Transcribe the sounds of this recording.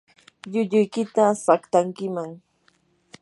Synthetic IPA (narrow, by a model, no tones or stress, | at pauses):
ʎʊʎʊjkɪt̪asakt̪aŋkɪmaŋ